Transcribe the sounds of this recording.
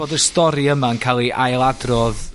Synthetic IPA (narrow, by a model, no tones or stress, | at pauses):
oːdəstɔɾiəmaənkʰalˠiʔajlˠadrɔð